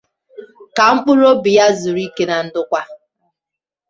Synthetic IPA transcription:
ka˨ŋ͡m̩˦k͡pʊ˦ɾo˦bi˨ja˦zʊ˨ɾi˦ke˦na˨n̩˦dʊ˦kʷa˦

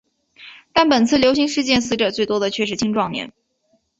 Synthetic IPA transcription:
t̪a˥˩npə˨˩nt͡sʰɹ̩˥˩ljo˥ɕi˧˥ŋʂɻ̩˥˧t͡ɕjɛ˥˩nsɹ̩˧˥ʈ͡ʂɤə˨˩t͡swe˥˩ɪt̪wɔ˥d̪ə˨t͡ɕʰɥɛ˥˩ʂɻ̩˥˩t͡ɕʰi˥ŋʈ͡ʂwɑ˥˧ŋmjɛ̰˥˩˦n

